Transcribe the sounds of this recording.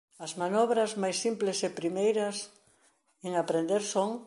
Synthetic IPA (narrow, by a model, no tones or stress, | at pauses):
ɐzmanɔβɾɐzmajsimplesepɾimejɾɐs | eŋapɾend̪eɾsoŋ